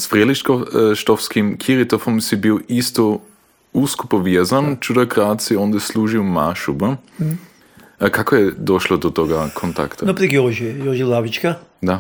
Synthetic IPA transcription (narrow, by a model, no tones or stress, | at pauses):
sfɾɛliʃkoʃt̪ɔfskimkʰiɾit̪ofomsibiwist̪o | uskupovjɛzant͡ʃud̪akɾaːt̪siɔnd̪ɛsluʒiwmaʃubə | kakojɛd̪ɔʃlod̪ot̪ɔɡakʰont̪a̰kt̪anopɾikjɔʒijɔʒilˠavit͡ʃkad̪a